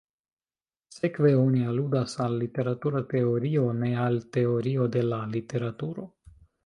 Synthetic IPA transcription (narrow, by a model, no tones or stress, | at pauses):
sekveonialud̪asalːit̪e̞ɾat̪uɾat̪eoɾionealt̪eoɾiod̪elalit̪e̞ɾat̪uɾo